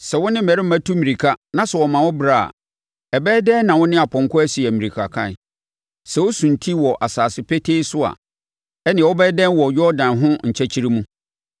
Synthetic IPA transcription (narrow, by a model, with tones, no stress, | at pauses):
sɛ˨wɔ˦nɪ̃˦m̩˦˨ɛ˨ɾɪ˦m̩˦mæ̃˦tʰu˦mĩ˨ɾi˨kʰa˦nã˨sɛ˨wɔ˨mã˨wɔ˦bɾa˨a̰˨ | ɛ˨bɛː˦dɛ̃˦nã˨wʊ̃˦nɪ̃˦a˨pʰɔ̃˨ŋ˨kʰʊ˦æ˦si˨ɛ˨mĩ˨i˨kʰa˨kʰã̰˦˨n˨ | sɛ˨wɔ˦sũ˨n̩˨tʰi˦wɔ˨ʔa˨saː˨sɪ˦pʰɛ˦tʰe˦i˦sʊ˦a̰˨ | ɛ˦nɪ̃˨wɔ˦bɛ˦dɛ̃˦n˦wɔ˨jɥɔ˦dã˨nɦʊ̃˦ɲ̩˨t͡ɕʰɛ˦t͡ɕʰi˦ɾi˦mũ˦